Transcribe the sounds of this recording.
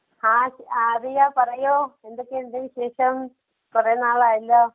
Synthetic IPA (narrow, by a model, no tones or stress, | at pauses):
hãːaɐðɨjaːpɐrɐjoːend̪okːeːnd̪eʋiɕeːʂɐm | pɐrɐjɐnːaːɭaːjilːɐ